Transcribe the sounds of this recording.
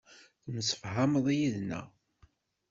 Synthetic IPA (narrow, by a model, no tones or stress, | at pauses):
θəmsə̥fɦaməðˤijiðnæ̰